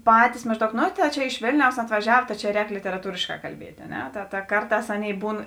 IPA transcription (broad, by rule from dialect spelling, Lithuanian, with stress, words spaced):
ˈpɑːtʲɪs mɐʒˈdɐʊk noː tɐɪ ˈt͡ʃʲɛ ɪʃ ˈʋʲeːlʲnʲɛʊs ɐtʋɐˈʒʲɛw tɐ t͡ʃʲɛ ˈrʲɛːk lʲɪtʲɛrɐˈtuːrʲeːʃkɑː kɐlʲˈbʲiɛtʲ ɐ ˈnʲɛ tɐ tɐ ˈkɐrˌtɑːs ˈɑːˌnʲeːɪ ˈbuːn